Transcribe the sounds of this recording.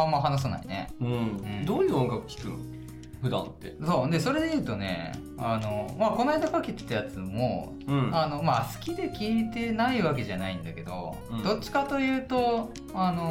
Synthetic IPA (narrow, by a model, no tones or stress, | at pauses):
ãmːaɦanas̬ana̰ḭnḛɯ̟̃ɯ̃d̪oːjɯ̟ːõŋɡakɯ̟̥kʲi̥kɯ̟̰̃n | ɸɯ̟d̪ã̰nt̪ːe̞̰so̞ːd̪e̞so̞ɾe̞d̪e̞jɯ̟ːt̪o̞ne̞̰ | ano̞mako̞naid̪apakʲet̪ːo̥t̪ːejat͡sɨmo̞ | ɯ̃ano̞masɨ̥kʲid̪e̞kʲiːt̪e̞naiβak̬e̞ʑanaĩnd̪ake̞d̪o̞̰ | d̪o̞t͡ɕːi̥kat̪o̞jɯ̟ːt̪o̞ | ano̞